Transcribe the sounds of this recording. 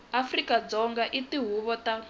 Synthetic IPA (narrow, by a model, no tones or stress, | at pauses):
afrikad͡zɔŋɡaʔitiɦuβɔta